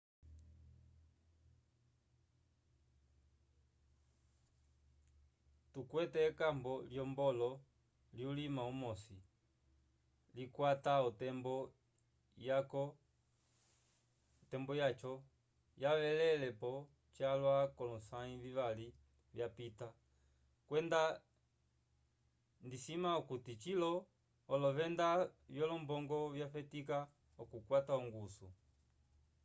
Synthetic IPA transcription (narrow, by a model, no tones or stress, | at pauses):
tukwɛtɛkambɔljɔmbɔlɔ | ljulimaumɔsi | likwataɔtɛmbɔ | akɔ | tɛmbɔjat͡ʃɔ | jaβɛlɛlɛpɔ | t͡ʃalwakɔlɔsaiviβali | vjapita | kwɛnda | ndisimaukutit͡ʃilɔː | lɔβɛndavjɔlɔmbɔŋɡɔvjaɸɛtika | ɔkukwataɔŋɡusṵ